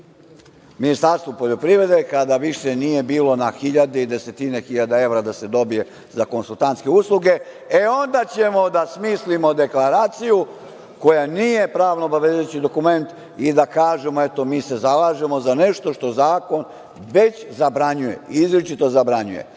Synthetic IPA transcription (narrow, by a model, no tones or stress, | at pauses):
minist̪aɾst̪ʋopo̞ʎo̞pɾiːʋɾe̞d̪ekad̪aʋiʃe̞nije̞biːlo̞naxiʎad̪eid̪e̞se̞t̪ine̞xiʎad̪ae̞ʋɾad̪ase̞d̪o̞bije̞ | zako̞nsulˠt̪ant̪skeuslˠuɡe̞ | eo̞nd̪at͡ɕe̞mo̞d̪asmiːslimo̞d̪e̞klaɾaːt̪siju | ko̞janije̞pɾaːʋnoobaʋezet͡ɕid̪o̞kume̞nt̪ | id̪akaːʒe̞mo̞e̞t̪o̞miːse̞zalaːʒemo̞zane̞ʃt̪o̞ʃt̪o̞zaːko̞n | ʋe̞t͡ɕzabɾaɲuje̞̰izɾet͡ʃit̪o̞zabɾaɲujḛ